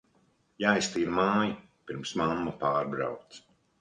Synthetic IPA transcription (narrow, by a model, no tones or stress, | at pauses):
jajst̪iːɾmaːja | piɾmsmamːapaːɾbɾa̰wt̪s